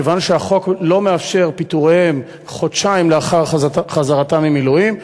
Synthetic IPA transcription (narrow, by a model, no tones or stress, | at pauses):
evanʃeaχo̞klo̞me̞afʃe̞ʁpit̪uʁem | χotʃaimleaχaʁχazaʁatamimiluim